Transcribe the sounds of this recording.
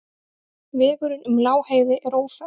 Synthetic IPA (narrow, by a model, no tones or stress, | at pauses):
vɛːɣʏɾʏnʏmlaːwheːjðɪʔɛɾoːwfɛ